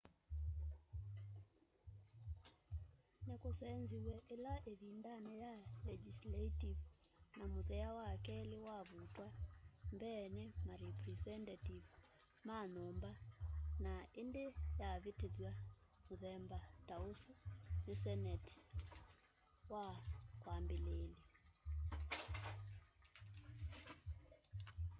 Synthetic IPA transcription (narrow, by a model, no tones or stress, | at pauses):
nekosɛnziwɛʔelaʔeβindanɛjalɛd͡ʒislaitiv | namoðɛawakɛlewaβutwambɛːnɛmaɾɛpɾɛsɛntativ | manɔmbanaendejaβeteðwamoðɛmbataosunesɛnɛt | wakwambelele